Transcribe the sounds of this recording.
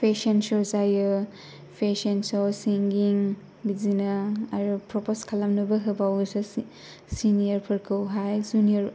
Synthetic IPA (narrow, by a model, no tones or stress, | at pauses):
pʰesensɔɾzajɯ | pʰesensɔsiŋɡiŋ | bizinaaɾupɾɔpɔskʰalamnɯbɐɦɯbawɡɯsɔ | sinijɐɾpʰɯɾkʰɯwɦajzuniɐɾ